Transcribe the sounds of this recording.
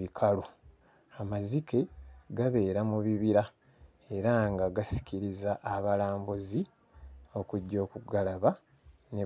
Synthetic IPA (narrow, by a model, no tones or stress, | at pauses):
ikʰalo | amazike̞ɡaβe̞ːɾamuβiβiɾa | e̞ɾaŋɡaɡasi̥ciɾizaʔːβalaːmbuzi | o̞kuɟːo̞ːkuɡalaβa | ne